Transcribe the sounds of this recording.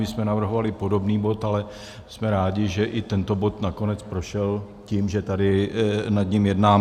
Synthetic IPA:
mɪsmɛnavr̩ɦo̞valɪpo̞do̞bniːbo̞t̪alɛ | smɛɾaːɟɪʒɛʔɪt̪ɛnt̪o̞bo̞t̪nako̞nɛt͡spɾo̞ʃɛl | ciːmʒɛt̪adɪnad̪ɲɪmjɛdnaː

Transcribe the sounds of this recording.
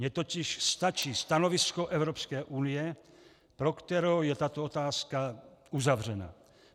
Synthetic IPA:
mɲɛt̪ocɪʃst̪at͡ʃiːst̪anovɪskoʔɛvɾopskɛːʔuːnɪjɛ | pɾokt̪ɛɾowjɛt̪at̪oot̪aːskauzavr̝ɛna̰

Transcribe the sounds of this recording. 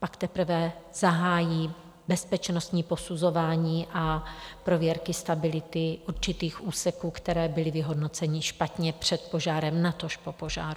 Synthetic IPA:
pakt̪ɛpɾ̩vɛz̥aɦaːjiː | bɛspɛt͡ʃnost̪ɲiːpo̞suzo̞vaːɲiːʔapɾo̞vjɛɾkɪst̪abɪlɪt̪ɪʔuɾt͡ʃɪt̪iːxʔuːsɛkuːkt̪ɛɾɛːbɪlɪvɪɦo̞dno̞t͡sɛɲɪʃpat̪ɲɛpr̝̥ɛt̪̚po̞ʒaːɾɛmnat̪o̞ʃpo̞po̞ʒa̰ːɾu

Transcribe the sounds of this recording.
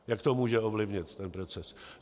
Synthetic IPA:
jakt̪omuːʒɛovlɪvɲɪt̪ːɛnpɾot͡sɛs

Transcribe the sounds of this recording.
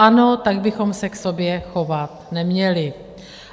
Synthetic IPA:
ʔano̞t̪aɡbɪxo̞msɛkso̞bjɛxo̞vat̪nɛmɲɛlɪ

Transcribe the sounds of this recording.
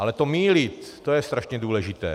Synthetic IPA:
alɛt̪omiːlit̪ːojɛst̪ɾaʃɲɛduːlɛʒɪt̪ɛ̰ː

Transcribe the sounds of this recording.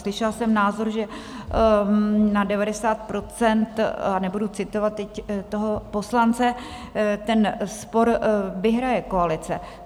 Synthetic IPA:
slɪʃɛlsɛmnaːzo̞ɾʒɛ | nadɛvadɛsaːt̪̚pɾo̞t͡sɛnt̪anɛbudut͡sɪt̪o̞vat̪ːɛct̪oɦopo̞slant͡sɛ | t̪ɛnspo̞ɾvɪɦɾajɛko̞alɪt͡sɛ

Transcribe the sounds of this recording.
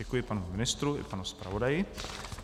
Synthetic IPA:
ɛkujɪpanumɪnɪst̪ɾuɪ̰panuspɾa̰vodajɪ

